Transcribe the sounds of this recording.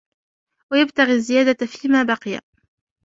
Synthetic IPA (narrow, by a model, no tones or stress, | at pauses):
wajabt̪aɣiːzːɪjaːd̪afiːmaːbɑqɨja̰